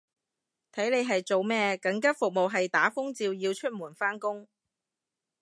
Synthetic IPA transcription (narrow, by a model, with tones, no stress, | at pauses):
t̪ʰɐ˨˥jne˨˧jɦɐ˨jt͡ʃo˨wmɛː˥kɐ˨˥ŋkɐ˥p̚fʊ˨k̚mo˨wɦɐ˨jt̪aː˨˥fʊ˥ŋt͡siː˧wjiː˧wt͡ʃʰɵ˥t̚muː˨˩nfaː˥nkʊ˥ŋ